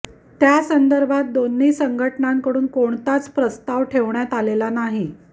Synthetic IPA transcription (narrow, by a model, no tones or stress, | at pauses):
t̪jasənd̪əɾbʱat̪̚d̪onːiːsəŋɡʱəʈɳaŋkəɽuːnkoɳt̪at͡spɾəst̪aʋʈʰeʋɳjat̪alelanaɦi